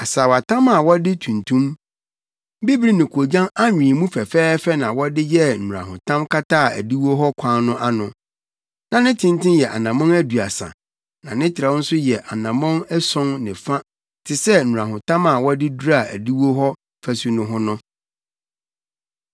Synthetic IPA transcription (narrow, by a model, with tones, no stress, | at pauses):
a˨saː˨wa˨tʰã˦ma˨wɔ˦dɪ˦tʰũ˨ntʰũ˦m˦ | bi˦bɾi˦nɪ̃˨kʰo˨d͡ʑã˦na˦ɲᶣĩ˨mũ˦fɛ˨fɛː˦fɛ˦nã˨wɔ˦dɪ˦jɛ˦n̩˨ũ˨ɾa̰˨ɦʊ̃˨tʰã˦mkʰa˦taː˦˨æ̰˨di˦wo˦ɦɔ˦kʷʰã˦nʊ̃˦ʔa˦nʊ̃˨ | nã˨nɪ̃˦tʰɪ̃˦n˦tʰɪ̃˦njɛ˨ʔa̰˨nã˨mɔ̃˦næ˦du˨a˨sã̰˨ | nã˨nɪ̃˦tʰɪ˨ɾa˨˦ɔ˦n̩˦sʊ˦jɛ˨ʔa˨nã˨mɔ̃˦nɛ˦sɔ̃˦ŋnɪ̃˨fã˦ | tʰɪ˨sɛ˦n̩˨ũ˨a˨ɦʊ̃˨tʰã˦ma˨wɔ˦dɪ˦du˦ɾa˨æ̰˨di˦wo˦ɦɔ˦ | fæ˦su˦nʊ̃˦ɦʊ̃˦nʊ̃˦